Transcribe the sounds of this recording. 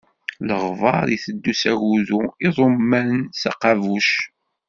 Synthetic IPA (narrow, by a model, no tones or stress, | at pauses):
ləʁvɑɾˤiθəd̪ːusæʝuðuiðˤomːænsɑ̰qɑvuʃ